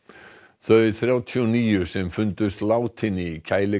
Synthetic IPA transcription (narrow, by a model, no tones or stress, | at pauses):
θœðɪθɾjaːwt̪ʰiɔniːjʏsɛmfʏnt̪ʏst̪laːwt̪ʰɪnːicʰaːjlɪ